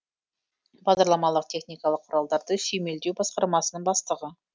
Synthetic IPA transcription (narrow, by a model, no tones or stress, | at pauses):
bɑʁd̪ɑɾlˠɑmɑlˠəq̚t̪ʲʰe̞χnijkɑlˠəqʰːʊɾɑlˠd̪ɑɾd̪əsejme̞ld̪ewbɑsqɑɾmɑsənəɴbɑst̪əʁə